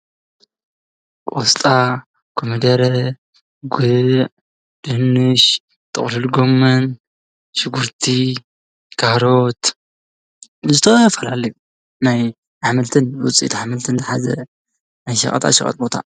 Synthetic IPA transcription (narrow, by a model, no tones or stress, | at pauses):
kʼost̪ʼa | kʰomid̪ɐɾɐ | ɡɨʕ | d̪̥ɨhnːɨʃ | t̪ʰʼɨχʼlɨlɡomːɐn | ʃɨɡuɾt̪ʰi | kʰahɾot̪ | zɨt̪ʰɐfɐlalɐju | naj | ʕamɨlt̪ʰɨnwʊ̰t͡sʼḭt̪ʰʕamɨlt̪ʰɨnzɐħazɐ̰ | najʃɐ̰χʼɐ̰t̪ʰa̰ʃɐkʼɐ̰t̪̚ʼbo̞t̪ʰa̰